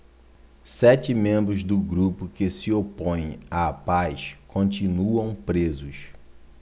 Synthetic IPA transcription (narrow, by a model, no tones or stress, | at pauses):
sɛt͡ʃɪmẽmbɾʊzd̪ʊɡɾupʊkɪsiopõj̃apajʃkõnt͡ʃinuɐ̃w̃pɾezʊs